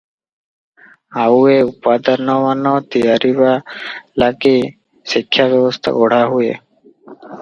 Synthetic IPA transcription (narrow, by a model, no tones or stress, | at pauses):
aueupaːd̪əɾnɔʋanɔt̪ijaɾibalaki | sikʰːjabjɔwɔst̪ʰa̰ʔɔɽ̤aɦuḛ